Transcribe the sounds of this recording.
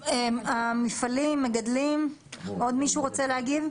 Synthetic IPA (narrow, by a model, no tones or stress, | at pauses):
eamifalimːeɡad̪limod̪miʃuʁot͡seleaɡiv